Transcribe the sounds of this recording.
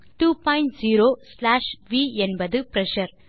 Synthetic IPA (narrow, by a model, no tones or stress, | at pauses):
ʈuːpɔ̃ɪɳʈziːɾoːslaːʂʋiːɛnbɐðɯpɾɛʃɐɾ